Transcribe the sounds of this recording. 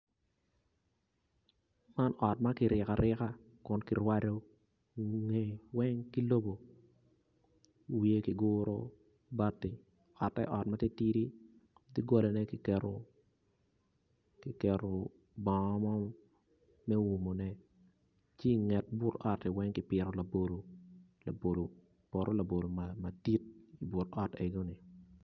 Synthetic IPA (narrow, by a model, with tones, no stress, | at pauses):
ma˦nʔɔ˨t̚ma˦kɪ˨ɾɪ˨ka˨ɾɪ˦ka˦ | kʊ˦nki˨ɾwa˦do˦ | ŋe˦wɛ˦ŋki˦lo˦bo˨ | wie˦ki˨ɡʊ˦ɾo̰˦ | ba˦tɪ˨ | ɔ˨tːɛ̰˦ʔɔ˨t̚ma˦ti˦ti˦ɾi˦ | ti˦ɡo˦lo˨nɛ˦ki˨kɛ˨ɾo˨ | kɪ˨kɛ˨ɾo˨ | bɔ˨˦mɔ˦ | mɛ˦wu˨mo˨nɛ˦ | t͡ʃi˦i˨ŋɛ˨t̚bʊ˦tɔ˦ti˨wɛ˦ŋkɪ˦pɪ˨ɾo˨la˨bo˨lo˨la˨bo˨lo˨ | bo˨ɾʔo˦la˨bo˨lo˨mama˨di˦t̚i˨bʊ˨tɔ˦te˨ɡo˦ni˨